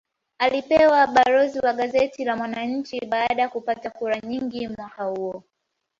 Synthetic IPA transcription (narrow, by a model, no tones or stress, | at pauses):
alipɛwaɓaɾɔziwaɠazɛtilamwanaɲ̩t͡ʃiɓaːɗajakupatakuɾaɲiŋɡimwakahuɔ